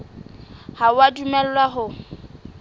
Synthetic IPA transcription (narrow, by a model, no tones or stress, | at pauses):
hawadumɛllwaɦʊ